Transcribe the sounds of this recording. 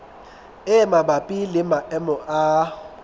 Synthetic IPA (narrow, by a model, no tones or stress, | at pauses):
ɪmabapʼilɪmaʔɛmʊʔaː